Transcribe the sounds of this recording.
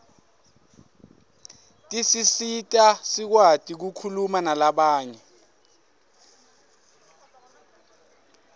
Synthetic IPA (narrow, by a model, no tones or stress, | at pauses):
tʼisisitʼasik̬watʼik̬ukʰulumanalaɓaːɲɛ